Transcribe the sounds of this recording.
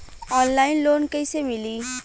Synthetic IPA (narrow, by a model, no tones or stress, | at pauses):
ɔnlajnlonkəjsemili